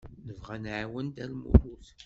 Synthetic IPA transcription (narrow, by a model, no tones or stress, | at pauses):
nəvʁænʕawənd̪ælmʊ̰ɾˤuθ